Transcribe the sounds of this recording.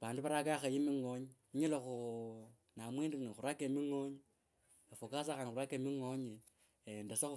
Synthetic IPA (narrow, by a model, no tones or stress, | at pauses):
βaːnduβaɾakaxajimiŋoɲiɲilexu | namwindinixuɾakemiŋoɲi | efukas̬axanuɾakemiŋoɲi | endese